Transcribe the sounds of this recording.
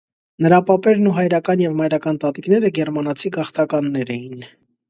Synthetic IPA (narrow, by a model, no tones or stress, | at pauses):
nəɾɑpɑpɛɾnuɦɑjɾɑkɑnjɛvmɑjɾɑkɑnt̪ɑt̪iknɛɾəɡɛɾmɑnɑt͡sʰiɡɑχt̪ɑkɑnːɛɾɛjin